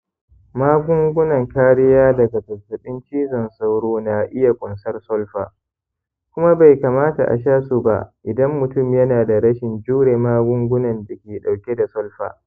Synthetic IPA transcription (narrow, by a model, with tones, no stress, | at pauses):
maː˦ɡʷʊ˦ŋɡʷʊ˦nɐ˨ŋkaː˦ɽɪ˦jaː˦dɐ˨ɡa˨tɐ˨sɐ˨ɗɪ˦nt͡ʃiː˦zɐ˨nsa˦wɽoː˦na˨ʔɪ˦ja˨kʷʼʊ˨nsɐ˦rsɔ˦lɸa̰ː˨ | kʷʊ˦ma˦ba˨jka˨maː˦ta̰˨ʔa̰˨ʃaː˦su˨ba̰˨ʔɪ˨dɐ˦mːʊ˨tʊ˦˨mjɐ˦naː˨da˨ɽɐ˦ʃɪ˨nd͡ʒuː˦ɽeː˨maː˦ɡʷʊ˦ŋɡʷʊ˦nɐ˨nda˨kʲeː˨ɗa˨wkʲe˦da˨sɔ˦lɸa̰ː˨